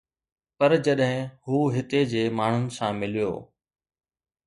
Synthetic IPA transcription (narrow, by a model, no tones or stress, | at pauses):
pɐɾd͡ʑɐɗɦɪ̃huːɦɪt̪ed͡ʑeːmaːɳ̤ʊnɪ̆sãmɪlijo̰ː